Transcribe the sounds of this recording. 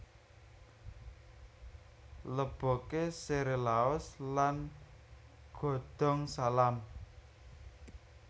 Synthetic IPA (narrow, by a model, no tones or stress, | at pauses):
ləb̥ɔ̤keseɾelaɔslan | ɡ̥ɔ̤ɖ̪̥ɔ̤ŋsalam